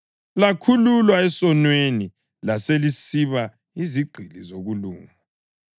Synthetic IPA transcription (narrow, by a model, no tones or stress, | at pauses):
lakʰululwaɛsɔnweni | laselisiβa | iziɡ͡ǀʱilizoɣuluːŋa